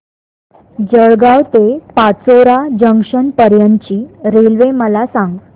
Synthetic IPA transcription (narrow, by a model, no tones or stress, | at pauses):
d͡ʑəɭɡawt̪epat͡soɾad͡ʑəŋɡʂənpəɾjənt͡ɕiːɾelʋeməlasãŋɡ